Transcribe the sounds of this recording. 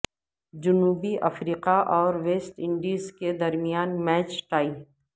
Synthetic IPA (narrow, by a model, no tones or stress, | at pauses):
d͡ʒʊnuːbiʔɐfɾiːqaʔɔːɾʋeːsʈɪ̃ɳɖiːzked̪ɐɾmijaːnmɛːt͡ʃʈaːi